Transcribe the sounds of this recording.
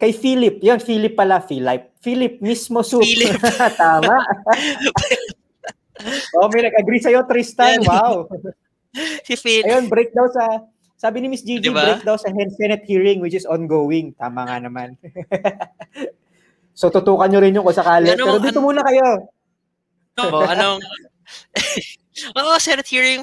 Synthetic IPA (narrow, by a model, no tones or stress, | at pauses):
kɐjfiːlɪp̚jonfiːlɪpːɐlafiːlap̚fiːlɪp̚mismo̞supt̪aːmaʔ | ʔo̞mɐjnɐɡ̚ʔɐɡɾisɐjo̞t̪ɾist̪ɐwaw | ɐjonbɾejk̚d̪awsɐ | saːbɪnɪmɪsd͡ʒiːd͡ʒiɾejk̚d̪ɐwsɐhɛnd̪̚sɛnɛt̪̚hiːɹɪŋwɪt͡ʃɪsɔnɡowɪŋt̪a̰ːmɐŋanɐman | sot̪ʊt̪uːkɐnɲoɾɪnjʊŋkonsɐkaːlɛɛːɾod̪iːt̪omuːnɐkɐjo | oɐno | ʔoʔosɛnɛt̪̚hiɹɪŋ